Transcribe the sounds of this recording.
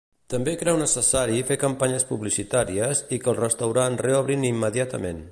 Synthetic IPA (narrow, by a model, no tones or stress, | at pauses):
t̪əmbekɾɛwnəsəsaɾifekəmpaɲəspuβlisit̪aɾiəzikəlˠrəst̪əwɾanreɔβ̞ɾinimːəðiat̪əmen